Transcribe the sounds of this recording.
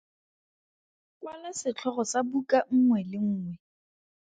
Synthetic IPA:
kʼwalasɪt͡ɬʰɔχɔsabukʼaŋ̩ŋwɛlɪŋ̩ːŋwɛ

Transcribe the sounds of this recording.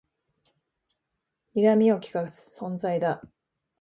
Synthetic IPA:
iɾamʲio̞kʲi̥kḁsõ̞nd͡zaid̪a

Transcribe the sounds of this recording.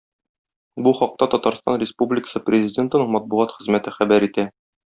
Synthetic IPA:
buχɒq̚t̪ɑt̪ɒt̪ɑɾst̪ɑ̰nrʲɪspublʲɪkə̥sɤprʲɪzʲɪdʲent̪ɤ̆nɤɴmɒt̪̚buʁɑt̪χɘ̆zmæt̪ɘχæbæɾit̪æ

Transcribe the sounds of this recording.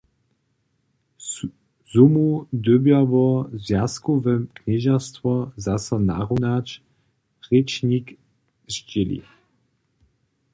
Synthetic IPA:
z̥umud̪øbjavɔzvjaskuvɛmkɲɛʒast̪vɔzasana̰ʁunat͡ʃ | ʁɛt͡ʃnik | ʒd͡ʑɪlḭ

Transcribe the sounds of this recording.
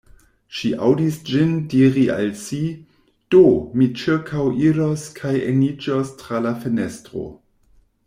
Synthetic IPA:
ʃiʔawdisd͡ʒindiɾiʔa̰lsi | d̥omit͡ʃiɾkʰawʔiɾoskʰajenid͡ʒostɾalafenestʁo̞̰

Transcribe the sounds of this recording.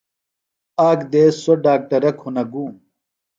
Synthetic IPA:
aːkd̪eːsoɖaːk̚ʈɐɾɐkʰhunɐɡuːm

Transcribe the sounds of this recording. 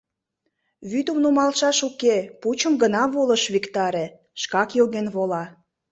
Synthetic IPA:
βyt̪əmnumɑlʃɑʃukeput͡ɕəmɡənɑβoləʃβikt̪ɑɾe | ʃkɑkjoɣenβolɑ

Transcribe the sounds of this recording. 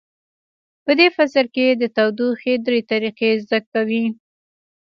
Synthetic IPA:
pəd̪efasəɾked̪ət̪awd̪uxed̪ɾet̪aɾiqezd̪akawi

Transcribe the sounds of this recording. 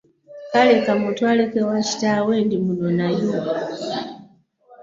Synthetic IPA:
kalɛkamutualɛkɛwat͡ʃi̥tawɛndimunɔnaju

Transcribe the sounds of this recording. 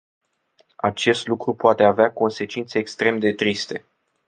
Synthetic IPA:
at͡ʃe̞st̪lukɾupoat̪e̞aveako̞nse̞t͡ʃint̪se̞ːkst̪ɾe̞md̪e̞t̪ɾist̪e̞

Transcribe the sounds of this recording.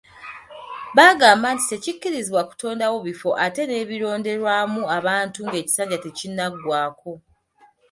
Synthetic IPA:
βaɡaːmbaːnti̥te̞cikːiɾiziβwaku̥tʰo̞ːndawo̞βifo̞ʔate̞ne̞βiɾo̞ːnde̞ɾwaːmuaβaːntuŋɡe̞ːci̥saːɲɟate̞cinːaɡwaːko̞

